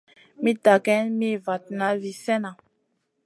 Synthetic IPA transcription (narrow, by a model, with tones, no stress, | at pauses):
mi˦da˨ɡɛ˦nmi˦˨va˨t̚na˨˦vi˨sɛ˦na˨